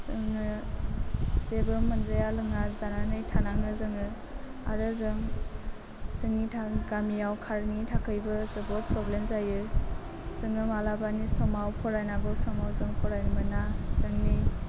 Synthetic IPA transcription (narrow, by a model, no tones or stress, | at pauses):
zɯŋɯ | zebɯmɯnzajalɯŋazananɯjtʰanaŋɯzɯŋɯ | a̰ɾɯzɯŋ | zɯŋitʰaɡamijawkʰaɾŋitʰakʰɯjbɯzɯbɔpʰɾɔblemzajɯ | zɯŋɯmalabanisɔmawpʰɔɾajnaɡɔsɔmawzɯŋpʰɔɾajnmɯnasɯŋni